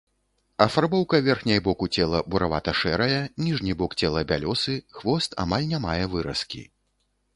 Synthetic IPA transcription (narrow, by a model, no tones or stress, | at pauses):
ɐfarbɔwkɐvʲɛrxnʲɐjbɔkut͡sʲɛlˠɐbuɾava̰t̪ɐʂɛɾɐjɛnʲiʐnʲibɔkt͡sʲɛlˠɐbʲalʲɔsɨxvɔst̪a̰malʲnʲamajɛvɨɾɐskʲḭ